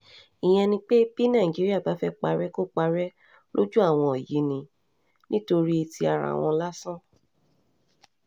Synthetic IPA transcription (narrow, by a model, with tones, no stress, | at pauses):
ĩ˨j̃ɛ̃˧nĩ˧k͡pe˦b̥i˦nã˦˨ĩ˨d͡ʒi˨˦ɾi˦a˦˨ba˨˦fɛ˦k͡pa˧ɾɛ˦ko˦k͡pa˧ɾɛ˦ | lo˦d͡ʒu˦a˦˨w̃ɔ̃˧˨ɔ˨ji˨˦nĩ˧ | nĩ˦to˧ɾi˦i˧ti˧˦a˧ɾa̰˨w̃ɔ̃˧la˦sã˦